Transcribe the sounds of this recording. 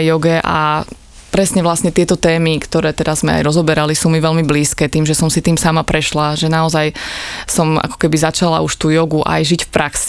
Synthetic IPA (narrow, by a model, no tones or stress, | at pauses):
jɔɡɛʔa̰ | pɾɛsɲɛʋlasɲɛt̪ɪɛt̪ɔt̪ɛːmikt̪ɔɾɛːt̪ɛd̪azmɛ̰a̰jɾɔzɔbɛɾalisuːmiʋɛlmibliːskɛːt̪iːmʒɛsɔmsit̪iːmsamapɾɛʃlaʒɛnaɔzajsɔma̰kɔ̥kɛbizat͡ʃala̰uʃt̪uːjɔɡuʔa̰jʒicfpɾʔaksi̥